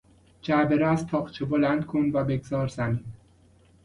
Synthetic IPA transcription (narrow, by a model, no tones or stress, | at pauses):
d͡ʒæbeɾæzt̪ʰɒːχt͡ʃʰebolænd̪̚kʰonvæbeɡzɒːɾzæmiːn